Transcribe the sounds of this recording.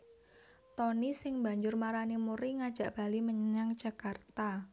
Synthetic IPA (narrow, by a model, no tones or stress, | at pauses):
t̪ɔnisɪŋba̤ɲd͡ʒʊrmaɾanimuɾiŋad̥ʒ̥a̤ʔb̥a̤liməɲəɲaŋd͡ʒakart̪a